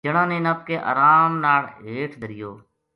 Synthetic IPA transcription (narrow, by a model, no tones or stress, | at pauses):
d͡ʒəɳãːnẽːnaːp̚keːʔə̰ːɾaːmnaːɭɦeːʈʰd̪əɾɪjoː